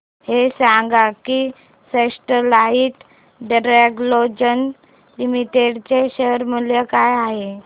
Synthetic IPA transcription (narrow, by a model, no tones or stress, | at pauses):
hesaŋɡaki | sesʈəlaiʈ̪ | ɖɾeɡlod͡ʑən | limiʈeɽt͡ɕeɕəɾmuljəkajaɦe